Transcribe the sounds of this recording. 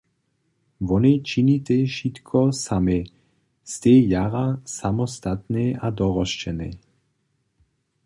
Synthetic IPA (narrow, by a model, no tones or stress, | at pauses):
ʋɔnɛt͡ʃinit̪ɛʃit̪kʰɔsame | st̪ejaʁasamɔst̪at̪neʔad̪ɔʁɔʃt͡ʃɛnḛ